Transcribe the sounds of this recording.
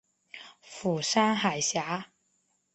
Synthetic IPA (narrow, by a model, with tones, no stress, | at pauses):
fu˨˩saː˥ŋɦa˨˩jɕjaː˨˧˥